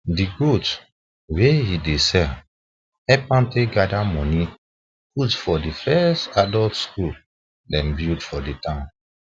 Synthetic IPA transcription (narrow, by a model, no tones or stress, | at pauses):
diɡot | wejidesɛ | ɛpãnteɡadamɔ̃ni | putfɔdifɛstadɔltskul | dɛ̃nbildfɔditãn